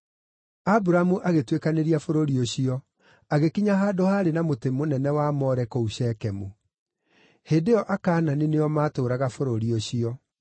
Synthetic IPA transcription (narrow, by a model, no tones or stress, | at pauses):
abuɾamuʔaɣetwekaneɾiafoɾoɾioɕiɔ | aɣekiɲaɦaːdohaːɾenamotemonɛnɛwamɔːɾɛkɔuɕɛkɛmu | heːdeɔʔakaːnaneneɔmaːtoːɾaɣafoɾoɾioɕiɔ